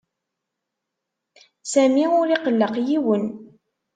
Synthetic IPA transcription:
sæmiʊɾiqəlːəqjiwən

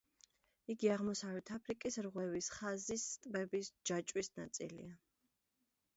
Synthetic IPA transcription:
iɡiaʁmɔsavɾɛt̪ʰapʰɾikʼisɾʁwɛvisχazisːt̪ʼbɛbisd͡ʒat͡ʃʼwisnat̪sʼḭlḭa

